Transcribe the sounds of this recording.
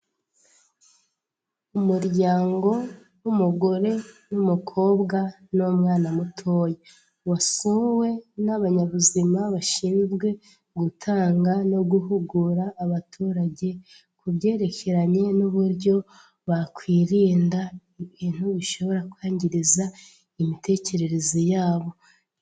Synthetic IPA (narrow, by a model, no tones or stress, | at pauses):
umuɾɟaːŋɡo̞ | wumuɡo̞ɾe̞numukʰo̞ːbɡa | nomŋaːnamutʰoːje | wasuwe̞naβaɲaβuzimaβaʃimibɡe̞ | ɡutʰaːŋɡano̞ɡuɦuɡuɾaːβatʰuːɾaɟe̞ | kuβɟe̞ːɾe̞cʰe̞ɾaɲe̞nuβuɾɟo̞ | βakwiːɾiːnda | βiːn̥huβiʃo̞βo̞ɾakwaːɲɟiɾiza | imite̞ːce̞ɾe̞ɾe̞zijaːβo̞